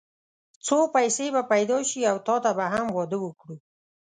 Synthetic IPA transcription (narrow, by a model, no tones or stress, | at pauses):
t͡sopajsebapajd̪ɑʃiawt̪ɑt̪abaɦamwɑd̪əwəkɽu